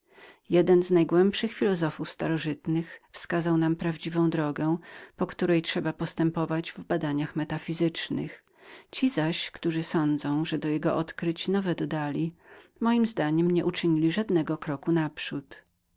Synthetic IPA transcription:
jɛd̪ɛnznajɡwɛmpʂɘxfʲilɔzɔfufst̪aɾɔʐɘt̪nɘxfskazawnampɾavd͡ʑivɔ̃w̃d̪ɾɔɡɛpɔkt̪uɾɛjtʂɛbapɔst̪ɛmpɔvad͡ʑvbad̪aɲaxmɛt̪afʲizɘt͡ʂnɘ̰x | t͡ɕizaɕkt̪uʐɘsɔnd̪zɔ̃w̃ʐɛd̪ɔjɛɡɔʔɔt̪kɾɪt͡ɕnɔvɛd̪ɔd̪alʲimɔjimzd̪aɲɛmɲɛʔut͡ʂɘɲilʲiʐad̪nɛɡɔkɾɔkunapʂut̪

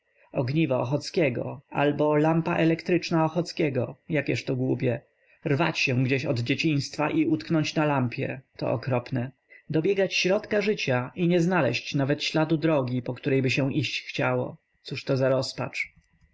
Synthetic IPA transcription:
ɔɡɲivaɔxɔt̪skʲɛɡɔ̰a̰lbɔlampaʔɛlɛkt̪ɾɘt͡ʂnaɔxɔt̪skʲɛɡɔjakʲjɛʂt̪ɔɡwupʲjɛ | ɾva̰t͡ɕɕɛ̃ɡd͡ʑeɕɔd̪d͡ʑet͡ɕĩɲ̃st̪faʔiut̪knɔɲt͡ɕnalampʲjɛ̰t̪ɔ̰ɔkɾɔpnɛ | d̪ɔbʲjɛɡat͡ɕɕɾɔt̪kaʐɘt͡ɕaʔiɲɛznalɛɕt͡ɕnavɛt̪ɕlad̪ud̪ɾɔɡʲipɔkt̪uɾɛjbɘɕɛ̃ʔiɕt͡ɕxt͡ɕawɔ̰ | t̪suʂt̪ɔzaɾɔspa̰t͡ʂ

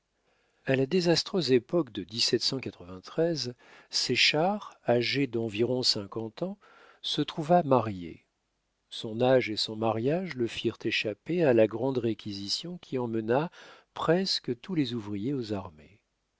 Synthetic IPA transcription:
alad̪ezast̪χøzepɔkd̪əd̪isɛt̪sɑ̃kat̪χəvɛ̃t̪χɛzseʃaʁaʒed̪ɑ̃viʁɔ̃sɛ̃kɑ̃t̪ɑ̃ | sət̪χuvamaʁjḛ | sɔ̃naʒesɔ̃maʁjaʒləfiʁt̪eʃapealaɡʁɑ̃d̪ʁekʲizisjɔ̃kʲʰiɑ̃mənapχɛskət̪ulezuvʁijeozaʁmḛ

